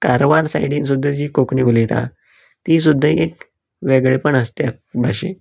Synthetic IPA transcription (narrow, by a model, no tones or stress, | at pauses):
kaɾʋaɾsa̰jɽĩːns̬ud̪ʱːəd͡ʑiːkokɳiʋulit̪a̰ | t̪is̬ud̪ʱːəek̚ | ʋeɡɭepəɳəst̪ja | bʱaɕḛ̃